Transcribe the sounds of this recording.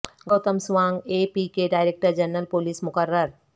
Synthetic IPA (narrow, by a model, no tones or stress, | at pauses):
ɡoːt̪əmsʋaːŋɡepikeɖaːɪɾek̚ʈəɾd͡ʒɐnəlpoliːsmʊkəɾːəɾ